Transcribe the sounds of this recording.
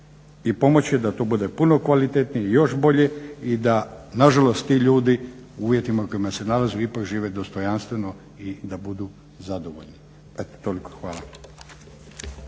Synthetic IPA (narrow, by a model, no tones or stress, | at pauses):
ipo̞mo̞t͡ɕje̞d̪at̪oːbud̪e̞puno̞kʋalit̪et̪nijeijo̞ʃbo̞ʎe̞id̪anaʒalo̞st̪t̪iʎuːd̪iuuːʋje̞t̪imako̞imase̞nalazuipakʒiːʋe̞d̪o̞st̪o̞janst̪ʋe̞no̞ | id̪abud̪u | zad̪oʋo̰ʎni | et̪o̥t̪oliko̥xʋaːlˠa